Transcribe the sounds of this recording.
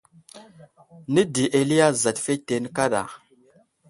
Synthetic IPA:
ni˦di˨ʔe˨li˦ja˦za˨tfe˦te˨nə˦ka˦ɗa̰˨

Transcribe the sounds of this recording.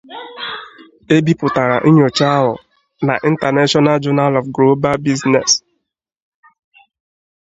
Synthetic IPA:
e˦bi˦pʊ˨ta˨ɾa̰˨ʔi˦ɲo˨t͡ʃa˦ɦʊ̰˨ | na˨ʔi˨n̩˦ta˨ne˦ʃɔ˦na˦ld͡ʒɔ˦na˦lɔ˨fɡɾo˦ba˦bi˦znɛ˨s

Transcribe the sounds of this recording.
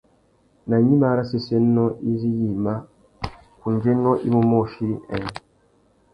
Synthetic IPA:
na˨ɲi˦ma˦ɾa˦se˨se˦nːɔ˦i˦zi˦ji˨ma˦ | ku˨n˨d͡ʒe˦nɔ˦ʔi˦mu˦mɔ˦˨ʃi˦ɛ̰˨

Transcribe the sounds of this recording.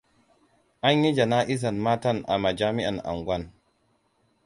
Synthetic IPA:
ʔa˦ɲji˦d͡ʒa˨na˦ʔi˦s̬a˨nma˦ta˦nʔa̰˨ma˨d͡ʒa˦mi˦ʔa̰˨nʔa̰˨ŋɡʷa˦n

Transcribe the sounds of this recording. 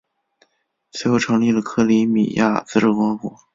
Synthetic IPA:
swe˧˥ɪxo˥˩ʊʈ͡ʂʰɤ˧˥ŋli˥˩lə˩kʰɤ˥˩li˧˥mḭ˨˩jʔa̰˥˩t͡sɹ̩˥ʈ͡ʂ̩˥˩kwɑ˧˥ŋkɔ̰˨˥

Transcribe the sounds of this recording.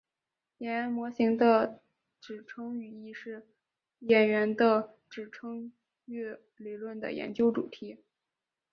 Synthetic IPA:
jɛ˧˥˧nmwɔ˧˥ɕi˧˥ŋd̪ə˧ | ʈ͡ʂɻ̩˨˩ʈ͡ʂʰɤ˥ŋy˨˩i˥ʂɻ̩˥˩ | jɛ˨˩nɥɛ˧˥nd̪ə˧ | ʈ͡ʂɻ̩˨˩ʈ͡ʂʰɤ˥ŋ | ɛ˥˩ | li˨˩lwə˥˩nd̪ə̰˩jɛ̰˧˥nt͡ɕjo˥ʊʈ͡ʂṵ˨˩t̪ʰi˧˥

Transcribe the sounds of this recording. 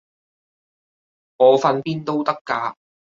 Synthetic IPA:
ŋɔː˨˧fɐ˧npiː˥nt̪o˥wt̪ɐ˥kːaː˧

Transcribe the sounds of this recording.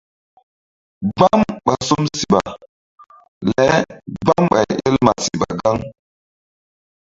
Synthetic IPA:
ba˦mɓa˨su˦msi˨ɓa˨ | lɛ˨˦ba˦mɓa̰˨je˦lma˨si˨ɓa̰˨ɡa˦ŋ

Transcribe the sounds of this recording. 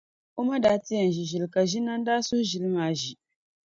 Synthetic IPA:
o˦ma˦daː˦ti˦ja˨n˨ʒi˨ʒi˨lka˨ʒi˦na˦n˦daː˦su˦ʒi˨lmaː˨˦˨ʒi˨

